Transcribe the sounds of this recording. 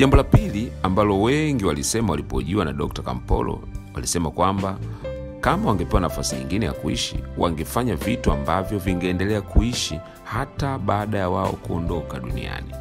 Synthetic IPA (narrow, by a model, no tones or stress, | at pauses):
ʄambɔlapiliambalɔwɛŋɡiwalisɛmawalipɔʄuwanaɗɔk̚taka̰m̩pɔ̰lɔ̰ | walisɛmakwamba | kamawaŋɡɛpɛwanafasiɲiŋɡinɛja̰kuḭʃḭwa̰ŋɡɛfaɲavituambavjɔviŋɡɛːndɛlɛakuiʃi | hataɓaːɗajawaɔ̰kuɔndɔkaɗunḭa̰ni